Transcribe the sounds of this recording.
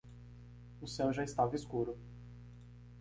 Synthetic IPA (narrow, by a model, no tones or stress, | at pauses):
ʊsewʒaɪst̪avɐiskuɾʊ